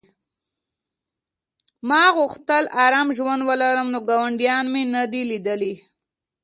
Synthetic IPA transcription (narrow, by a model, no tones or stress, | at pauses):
mɑɣuxt̪əlʔaɾɑmʒwand̪wəlaɾəmnoɡɑwaɳɖjɑnmenad̪ilid̪əli